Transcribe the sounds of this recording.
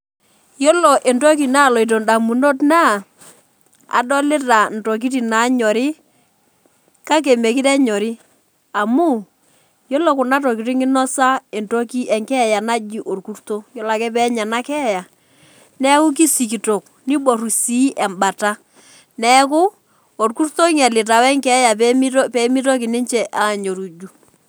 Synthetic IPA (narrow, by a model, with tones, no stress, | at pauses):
jo˦lo˨ʔe˨ntɔ˦k̬i˨na˦˨lɔ˨i˨t̬o˨nda˨mu˨no˦tna˦ | a̰˨dɔ˦lɪ˦ta˨n̩˨tɔ˨k̬i˦ti˨na˨˦ɲɔ˨ɾɪ˦ | ka˦k̬e˨me˨kɪ˦tɛ˦ɲɔ˨ɾɪ˦ | a˨mu˦˨ | jo˦lo˨kʊ˨na˦tɔ˨ki˨ti˦ŋɪ˦nɔ˦sa˦e˨nto˦ki˦ɛ˨ŋkɛ˦˨ja˨na˦d͡ʒi˨ʔo˨rku˦ɾto˦jɔ˦la˨kɛ˦p̬ɛ˦ɲa˨na˦kɛ˦˨ja˨ | nɛ˦kʊ˦k̬i˦si˨k̬i˨to˨k | ni˦ɓɔ˨ɾu˨si˦ʔɛ˨mba˨ta˦ | nɛ˦k̬ʊ˦ | o˨ɾku˦ɾto˦ŋɛ˨lɪ˨ta˨wɛ˦ŋkɛ˦ja˨pi˦pɛ˨˦mi˦tɔ˦ki˨nɪ˦ɲt͡ʃɛ˨ʔa˨ɲo˨ɾu˨d͡ʒu˦